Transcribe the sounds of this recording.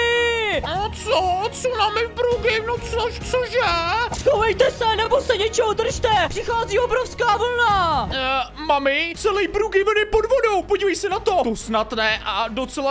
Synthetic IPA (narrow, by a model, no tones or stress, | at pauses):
ɪnot͡sot͡sonamɪvbɾuɡɪnot͡soʃt͡soʒɛsxowvɛjt̪ɛsɛnɛbosɛɲɛt͡ʃɛɦod̪r̩ʃt̪ɛpr̥ɪxaːziːobɾofskaːvl̩na | mamɪt͡sɛlɛjbɾuɡɪvl̩nɪpodvodowpoɟiːvɛjsɛnat̪o̞t̪osnat̪nɛʔadot͡sɛla